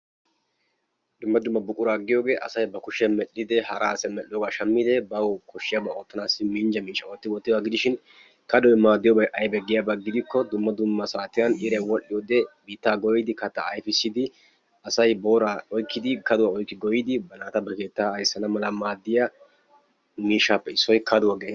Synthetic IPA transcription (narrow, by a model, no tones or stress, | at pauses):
d̪ʊmːɐd̪ʊmːɐbʊkʼːʊɾaːɡːɪjoːɡe̞ːʔɐ̰sɐjbɐkʊʃɛmɛɗːɪd̪ɛhɐɾasɛmɛlːɪjɔɡaʃɐmːɪd̪ɛbɐwkʰɔʃːɪjabɐoːt̪ːɐnaːsɪmiːnd͡ʒɐmiːʃɐwoːt̪ːɪɔt̪ːɪdaːɡɪd̪ɪʃɪn | kɐd̪ɔwɛmaːd̪ːɪjɔbɐʔɐjbɛɡːɪjabɐɡɪd̪ɪkːɔd̪ʊmːɐd̪ʊmːɐsaːt̪ɪjɐnʔɪɾɛwɔʔːɪjod̪ɛbiːt̪ːaːɡɔjɪd̪ɪkɐt̪ːɐːjfɪsːɪd̪ɪ | ɐsɐjbo̞ːɾaɔjkːɪd̪ɪkɐd̪ʊwaɔjkːɪɡɔjɪd̪ɪbɐnaːt̪ɐbɐke̞ːt̪ːaɐjsːɐnɐmɐlɐmaːd̪ːɪjɐ | miːʃaːpːɛɪsːɔjkʰɐd̪ʊwaɡeː